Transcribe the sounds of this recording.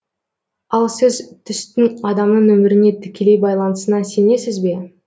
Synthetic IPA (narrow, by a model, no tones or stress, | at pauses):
ɑlˠsɪzt̪ʰʏst̪ɪŋɑd̪ɑmnəɴɵmɪɾɪne̞t̪ʰɪ̥kʲʰe̞le̞jbɑjlˠɑnəsənɑnse̞ne̞sɪzbe̞